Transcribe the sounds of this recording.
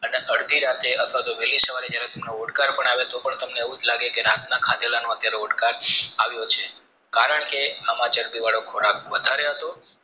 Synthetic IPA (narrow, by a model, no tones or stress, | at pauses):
əneʔəɽd̪ʱiɾat̪eət̪ʰʋat̪oʋɛlisəʋaɾed͡ʒjaɾet̪emnooʈkaɾpəɳaʋet̪opəɳt̪əmneːʋũd͡ʒlaɡekeɾat̪nakʰad̪elanõət̪jaɾeoʈkaɾaʋjot͡ʃʰe | kaɾəɳkeamat͡ʃəɾpiʋaɭokʰoɾak̚ʋəd̪ʱaɾeɦət̪o